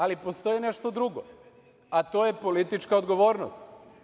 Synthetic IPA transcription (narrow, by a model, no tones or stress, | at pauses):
alipost̪o̞jineʃt̪o̞d̪ɾuɡo̰ | at̪ojepo̞lit̪it͡ʃkaod̪ɡo̞ʋo̞ːɾnost̪